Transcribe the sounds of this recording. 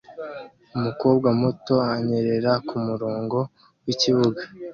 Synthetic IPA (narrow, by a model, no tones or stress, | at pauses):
umuko̞ːb̚ɡamoto̞aɲe̞ɾe̞ɾakumuɾoːŋɡo̞ | wiciβuɡa